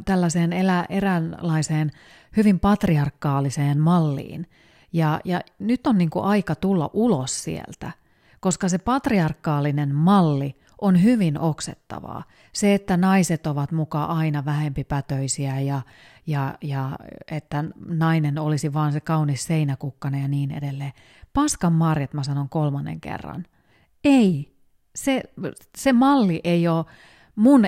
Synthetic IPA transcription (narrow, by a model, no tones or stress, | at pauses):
t̪ælːæseːnelæʔerænlɑiseːn | hyʋimpɑt̪riɑrkːɑːliseːnmɑlːḭːn | jɑjɑnyt̪ːonniːŋkuʔɑikɑt̪ulːɑ̰ʔulossḭḛlt̪æ̰ | koskɑsepɑt̪riɑrkːɑːlinenmɑlːi | ʔonhyʋinʔoksḛt̪ːɑ̰ʋɑ̰ː | seet̪ːænɑiset̪oʋɑt̪mukɑʔɑinɑʋæhempipæt̪øisiæjɑ | jɑjɑet̪ːænɑinenolisiʋɑːnsekɑunisseinækukːɑnejɑniːnḛdelːeː | pɑskɑmːɑrjɑt̪mæsɑnoŋkolmɑnːḛŋkḛrːɑ̰n | ei | se | semɑlːiʔeioː | mun